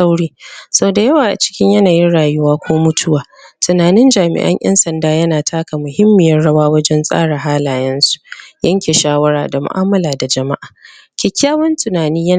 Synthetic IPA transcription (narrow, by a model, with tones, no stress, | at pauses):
a˦wɽiː˦sɐ˦o˨da˨jɐ˦waː˨ʔa̰˨t͡ʃɪ̥˦kʲɪ˦ɲjɐ˦naː˨jɪ˦nɽaː˨jʊ˦waː˦kʷoː˦mʊ˦tʰʊ˦waː˨ | tʊ˨naː˨nɪ˦nd͡ʒaː˨mɪ̰˨ʔɐ̰˦ɲʔɐ̰˦nsɐ˨ndaː˦jɐ˦naː˨tʰaː˦ka˨mʊ˨hɪ˦mːɪ˨jɐ˦rɽɐ˦waː˦wɐ˦d͡ʒɛ˦nsʼa̰ː˦ɽa˨ɦaː˦laː˨jɛ˦nsu̥˨jɐ˦ŋkʲeː˨ʃaː˦wɐ˦ɽaː˨da˨mʊ̰˨ʔaː˦mɐ˦laː˨da˨d͡ʒɐ˨ma˦ʔaː˨ | kʲɪ˨kʲːaː˦wɐ˦ntʊ˨naː˨niː˦jɐ˦